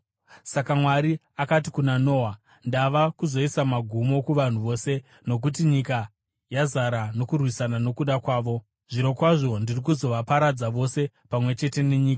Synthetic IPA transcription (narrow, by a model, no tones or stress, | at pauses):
sakamwaɾi | akat̬ikunano̞ːwa | ndaʋakuzo̞isamaɡʱumo̞kuʋan̤uʋo̞ːse̞ | no̞k̬ut̬iɲika | jazaɾano̞kurwisanano̞kuɗakwaːʋo̞ | ʐiɾo̞kwaʐo̞ndirikuzo̞ʋapaɾad͡zaʋo̞se̞ | pamwe̞t͡ʃe̞te̞ne̞ɲiːka